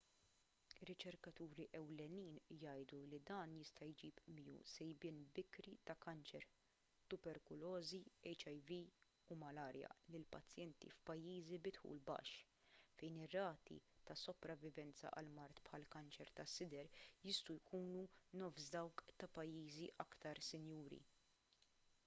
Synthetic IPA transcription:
ɪɾːɪt͡ʃɛɾkɐt̪uːɾiʔɛwlɛniːnjɐjd̪ulid̪ɐːnjɪst̪ɐjd͡ʒiːpmɪjṵːsɛjbɪnbɪkɾit̪ɐkɐnt͡ʃɛɾ | t̪ʊbɛɾkʊlɔːziɛjt͡ʃɐjvi | umɐlɐːɾjɐ̰lɪlpɐt͡sːjɛnt̪ḭfpɐjːiːzibɪt̪ħṵːlbɐ̰ʃ | fɛjnɪrːɐːt̪ḭt̪ɐsɔpɾɐvːɪvɛnt͡sɐ̰ʔɐlmɐɾt̪pħɐlkɐnt͡ʃɛɾt̪ɐsːɪd̪ɛɾjɪst̪ujkuːnunɔːfsd̪ɐwkt̪ɐpɐjːiːziʔɐkt̪ɐɾsɪnjuːɾḭ

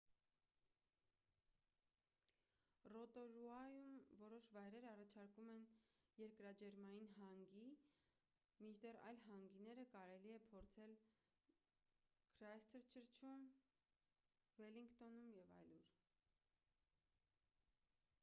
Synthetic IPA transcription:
rɔt̪ɔɾuɑjumvɔɾɔʃvɑjɾɛɾəɑrɑt͡ʃʰɑɾkumɛnjɛɾkɾɑd͡ʒɛɾmɑjinɦɑŋɡi | mit͡ʃʰd̪ɛrɑ̰jlɦɑŋɡinɛɾəkɑɾɛliɛpʰɔɾt͡sʰɛl | kʰɾɑjst̪ʰəɾt͡ʃʰəɾt͡ʃʰum | vɛliŋkt̪ɔnumjɛvɑ̰jluɾ

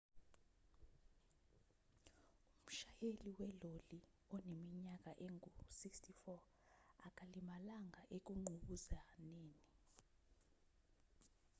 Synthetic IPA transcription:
um̩ʃajeliwɛloli | ɔnemiɲak̬ʼaʔeŋʱusikstʰifɔ | ak̬ʼalimalaŋʱaʔek̬uŋ͡ǃʱuɓuzaneːni

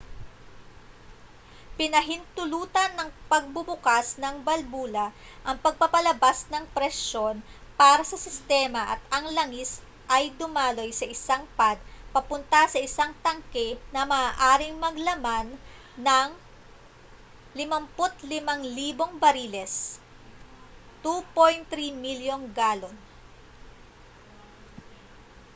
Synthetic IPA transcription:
pɪnɐɦɪnt̪ʊluːt̪ɐnːɐŋpɐɡ̚bʊbʊkasnɐŋbɐlbuːlɐ | ʔɐŋpɐɡ̚pɐpɐlɐbasnɐŋpɾɛʃo̞n | paːɾɐsɐsɪst̪ɛːmɐʔɐt̪̚ɐŋlɐŋis | ʔɐjd̪ʊmaːlo̞jsɐʔɪsaŋpad̪̚pɐpʊnt̪ɐsɐʔɪsaŋt̪ɐŋkɛnɐmɐaʔaːɾɪŋmɐɡlɐmanː | ɐŋ | lɪmɐmpʊt̪̚lɪmɐŋliːbo̞ŋbɐɾilɛs | t̪upojnt̪ɾimiljonɡaːlon

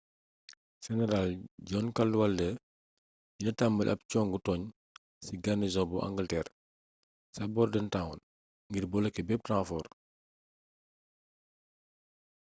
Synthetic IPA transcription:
sɛnɛɾalɟɔːnkɐlːuwaldə | jinɐtambəlʔɐ̰p̚cɔŋɡutɔːɲ | siɡanizɔ̃buʔa̰ŋɡəltɛːr | sɐbɔrdɛntawɔn | ŋɡirbɔlɐkɛbɛp̚tãfɔr

